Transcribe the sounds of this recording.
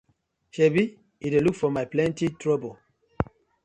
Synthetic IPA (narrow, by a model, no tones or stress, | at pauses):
ʃɛbi | idelukfɔmaɪplɛ̃ntitɹɔbol